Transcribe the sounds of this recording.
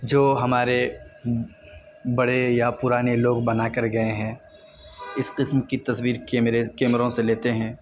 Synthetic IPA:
d͡ʒoːɦɐmaːɾe | bɐɽejapʊɾaːneloːɡbɐnaːkɐɾɡɐeɦɛ̃ː | ɪsqɪsmkit̪ɐswiːɾɾkeːmɾõseleːt̪eɦɛ̃ː

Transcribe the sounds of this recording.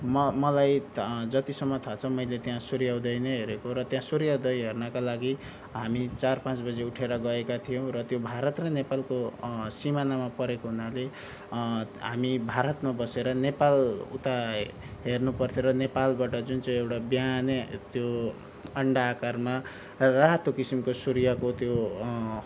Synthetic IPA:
mʌmʌlajd͡zʌt̪isʌmːʌt̪ʰat͡sʰʌmʌjlet̪jãsuɾjawd̪ʌjnʌɦeɾekoɾʌt̪jãsuɾjawd̪ʌjɦernʌkalaɡi | ɦamit͡sarpãt͡sbʌd͡zeuʈʰeɾʌɡʌekat̪ʰijõw̃rʌt̪jobʱaɾʌt̪rʌnepalkosimanamapʌɾekoɦunale | ɦamibʱaɾʌt̪mabʌseɾʌnepalṵt̪a | ɦernupʌrt̪ʰjoɾʌnepalbaʈʌd͡zunt͡saĩewʈabjanet̪jo | ʌɳɖaːkarma | raɦt̪okisimkosuɾijakot̪jo

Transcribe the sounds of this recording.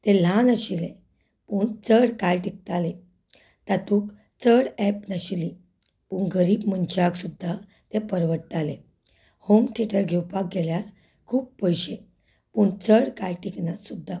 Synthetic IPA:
t̪ɛ̃l̤ãnəɕilẽ | puɳt͡səɽkajʈik̚t̪ale | t̪at̪uk | t͡səɽɛpnaɕili | puɳɡəɾiːbmənt͡ɕaɡsud̪ʱːa | t̪ɛpəɾʋəʈt̪alẽ | homʈʰiʈəɾɡʱɛwpak̚ɡɛljaɾ | kʰuːp̚pəjɕe | puɳt͡səɽkajʈiknat̪sud̪ʱːa

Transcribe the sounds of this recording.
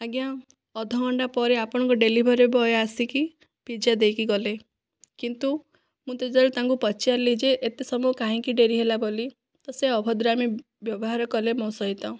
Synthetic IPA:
aɡjã | ɔd̪ʱɔːɳɖapɔɾeapɔɽ̃ɔ̃ŋkuɖelibʱɔɾebɔjasiki | pid͡ʒad̪ejkiɡɔle | kint̪u | mũt̪ed͡ʒɔlet̪aŋkupɔt͡ʃiaɾlid͡ʒeʔet̪esɔmukãɦĩkiɖeɾiɦelaboli | t̪ɔseɔbʱɔd̪ɾami | bjɔbɔɦaɾɔkɔlemɔ̃sɔɦit̪ɔ̃

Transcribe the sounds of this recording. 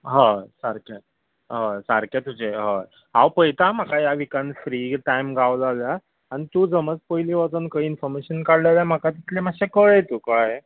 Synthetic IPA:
ɦə̃saɾke | ɦəsaɾket̪ud͡ʑeɦə̃ | ɦawpəjt̪am̤akajaʋikanfɾiɡʈajmɡawlːlja | aɽ̃it̪uːd͡zəmət͡spəjliʋat̪unkəiinfɔɾmeɕənkaɽleljam̤akat̪it̪ʰlemaɕekəɭəjt̪uːkəɭaje

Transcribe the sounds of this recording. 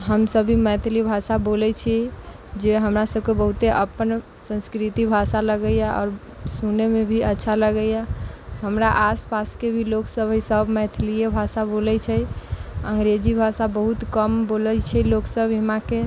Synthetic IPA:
ɦəmsəbʱiməjt̪ʰlibʱasabolɛt͡ʃʰi | d͡ʒeɦəmɾasəb̚ʱkebəɦut̪eʔəpən | sə̃nskɾit̪ibʱasaləɡəjaɔ̰ːɾ | sunemebʱiətːʃʰaləɡəjaɦəmɾaʔaspaskebʱiloksəbʱisəbʱmɛjt̪ʰlijebʱasabolɛt͡ʃʰɛjəŋɡɾed͡ʒibʱasabəɦut̪kəmbolət͡ʃʰɛloksəbʱimake

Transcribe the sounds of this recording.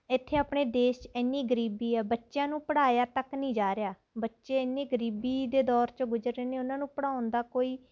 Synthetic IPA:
ɪt̪ʰːeːaːpɳeːd̪eːʃt͡ʃɛːnːiːɡəɾiːbiːɛːbətːʃjãːnũːpəɽaːjaːt̪əknĩːd͡ʒaːɾejaː | bətːʃeːɛnːiːɡəɾiːbiːd̪eːd̪ɔːɾt͡ʃəɡʊd͡ʒəɾeːneːʊnãːnũːpəɽaːʊnd̪aːkoːiː

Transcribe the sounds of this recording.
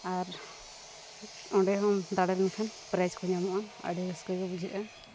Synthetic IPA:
aɾ | ɔ̃ɖɛɦɔmd̪aɽɛlnɛkʰanpɾajskʰɔɲamɔʔaa̰ɖɛskɛkɔbud͡ʒʱiʔa

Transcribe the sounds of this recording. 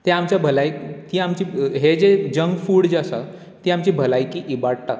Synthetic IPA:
t̪eamt͡ɕjabʱəlajt̪iːamt͡ɕiːɦed͡zed͡ʑəŋɡfuːɽd͡zasa̰ | t̪iːamt͡ɕibʱəlajkiʔibaɽʈ̪a̰

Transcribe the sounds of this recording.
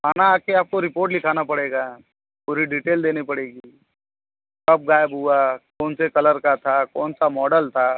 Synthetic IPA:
maːnaaːp̚keaːp̚koɾɪpoːɾʈ̬lɪkʰaːnapɐɽeːɡa | puːɾiɖiːʈeːld̪eːnipɐɽeːɡiːi | kɐb̚ɡaːjəbɦʊakɔːnsekɐləɾkat̪ʰakɔːnsamɔːɖəlt̪ʰaː

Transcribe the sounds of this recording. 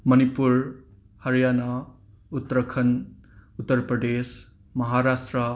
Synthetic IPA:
mʌnipuɾ | hɐɾjana | ut̪ːɾɐkʰɐnut̪ːɐɾpɾɐd̪es | mɐɦaɾasʈɾə

